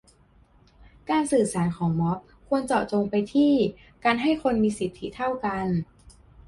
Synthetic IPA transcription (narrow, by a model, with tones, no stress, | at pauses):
kaː˧nsɯː˨˩saː˩˦nkʰɔː˩˦ŋmɔ˦˥p̚kʰu˧ənt͡ɕɔː˨˩t͡ɕoː˧ŋpa˧jt̪ʰiː˥˩ | kaː˧nɦa˥˩jkʰo˧nmiː˧si˨˩t̪ʰːi˦˥t̪ʰa˥˩wka˧n